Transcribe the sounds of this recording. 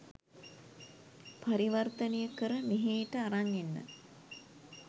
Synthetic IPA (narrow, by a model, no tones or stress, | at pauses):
paɾiʋərt̪ənejəkəɾəmeɦeːʈəaɾaŋenːə̰